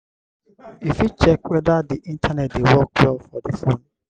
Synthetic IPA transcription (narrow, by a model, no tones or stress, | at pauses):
ifit͡ʃʰɛkwɛdadiʔĩntʰanɛt̚dewɔk̚lɔfɔdifõn